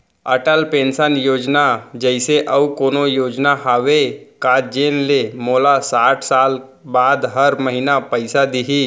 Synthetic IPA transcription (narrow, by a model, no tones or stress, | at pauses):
əʈəlpẽːnsənjoːd͡ʒnad͡ʒəɪseʔəukoːnojoːd͡ʒnaɦaʋekad͡ʒeːnlemoːlasaːʈʰsaːl | baːd̪ɦəɾməɦinapəɪsad̪iɦi